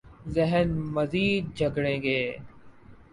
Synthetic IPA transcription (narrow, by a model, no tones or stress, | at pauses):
zɪɦənmɐziːd̪̚d͡ʒʱɐɡɽẽːɡeː